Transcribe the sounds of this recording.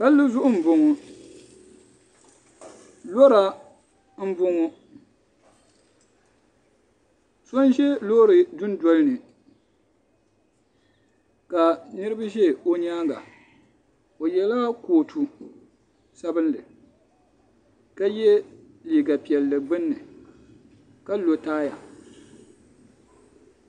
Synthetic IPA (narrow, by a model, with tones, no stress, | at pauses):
pa˦lːɨ˦zʊ˦ʔʊ˦m̩˨bʊ˨ŋɔ˨ | lo˦ɾa˨ | m̩˦bʊ˦ŋo˦ | so˦n˦ʒɛ˦lo˦ɾɨ˨dʊ˦n˦dɔ˦lnɨ˨ | ka˨nɨ˦ɾɨ˦ba˦ʒɛ˦˨o˦ɲaː˦ŋɡa̰˨ | o˨jɛ˨laː˦koː˨tʰu˨ | sa˦bɨ˦nlɨ˨ | ka˦jɛ˦ | liː˨ɡa˨pi˨ɛ˨lːɨ˨ɡ͡bɨ˦nːɨ˨ | ka˦lo˨taː˦ja˨